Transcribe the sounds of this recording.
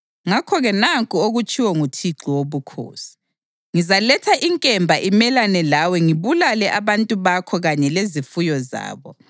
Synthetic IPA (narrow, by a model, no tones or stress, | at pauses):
ŋakʰɔɣɛnaŋkʼuoɣut͡ʃʼʰiwɔŋutʰiǃiwoβukʰo̰ːsi̥ | ŋizalɛtʰaʔiŋkʼɛmbʱaʔimɛlanɛlawɛŋiβulalɛʔaβantʼuβakʰɔɣaɲɛlezifujɔza̰ːβɔ